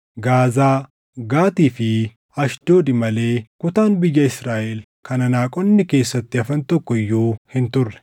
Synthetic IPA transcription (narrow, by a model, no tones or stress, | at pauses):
ɡaːzaː | ɡaːt̪iːfɪ | ɐʃd̪̥o̞ːd̪ɪmɐleːkʊt̪aːnbɪjːɐɪsɾaːʔɛl | kɐnɐnaːkʼɔnːɪke̞ːsːɐt̪ːɪɐfɐnt̪ɔkːɔɪjːuːhɪnt̪ʊrːɛ̥